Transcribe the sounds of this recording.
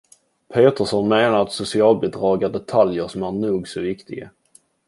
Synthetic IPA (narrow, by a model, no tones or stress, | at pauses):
pʰeːt̪əʂɔnmeːnaɾat̪sʊsɪɑːlbəd̪ɾɑːɡaɖɛt̪ʰaljəʂɔmænuːɡsɔvɪkt̪ɪɡa̰